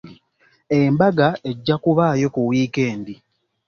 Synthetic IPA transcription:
embaɡae̞ɟːakuβaːjo̞kuwiːkeːndi

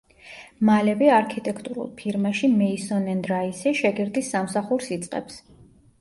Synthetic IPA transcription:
malɛbiaɾkʰit̪ʼɛkʰt̪ʼuɾṵlˠpʰiɾmaʃimɛisɔnɛnd̪ɾaisɛʃɛɡiɾd̪isːamsaχuɾsit̪sʼqʼɛ̰ps

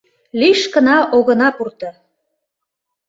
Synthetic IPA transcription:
liʃkə̆nɑʔoɣɤ̆nɑpurt̪ɤ̆

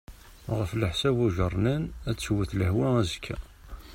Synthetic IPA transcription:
ʁəfləħsæbuʒərˤnənæt͡sːwəθləhwææzəkʰːæ

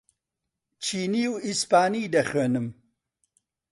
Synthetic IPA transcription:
t͡ʃʰiːniːwispaːniːd̪ɐxeːnɨm

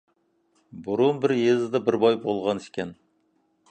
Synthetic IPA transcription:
buɾunbɪɾjezɪd̪ɑbɪɾbɑjbolˠʁɑnɪʃkʲʰɛn

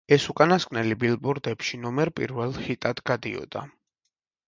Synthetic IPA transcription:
ɛsukʼanaskʼnɛlibilˠbuɾd̪ɛpʃinɔmɛɾpʼḭɾvɛlˠχit̪ʼad̪ɡad̪ḭɔ̰d̪̥a̰

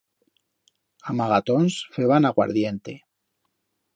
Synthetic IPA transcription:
amaɣat̪o̞nsfeβanaɣwa̰ɾðje̞nt̪e̞

